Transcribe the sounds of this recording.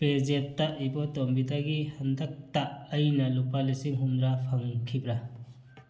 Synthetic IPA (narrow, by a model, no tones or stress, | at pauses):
pezettːaʔibɔtɔmbitaɡihɐndɐk̚taːjnɐlupalisiŋɦund̪ɾapʰɐŋkʰibɾa